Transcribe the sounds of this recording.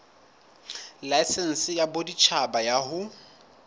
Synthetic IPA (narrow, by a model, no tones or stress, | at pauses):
laɪsɛn̩sɪjabodit͡ʃʰabajahʊ